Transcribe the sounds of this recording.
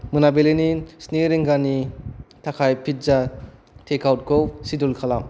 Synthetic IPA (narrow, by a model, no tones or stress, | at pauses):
mɯnabelenisneɾeŋɡanitʰakʰajpʰit̚za | tʰekʰawt̚kʰowsidulkʰalam